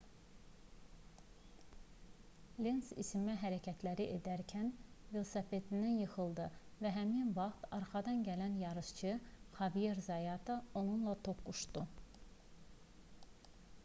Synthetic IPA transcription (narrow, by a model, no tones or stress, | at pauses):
lʲensḭsimmæɦæɾæcʰæt̪ʰlæɾiʔed̪æɾcʰænvelsɑfet̪ʰind̪ænjɯxɯlˠd̪ɯvæɦæminvɑχt̪ɑɾχɑd̪ɑnɟælænjɑɾɯʃt͡ʃʰɯχɑvijeɾzɑjɑt̪ʰɑo̞nunlˠɑt̪ʰo̞kːuʃt̪u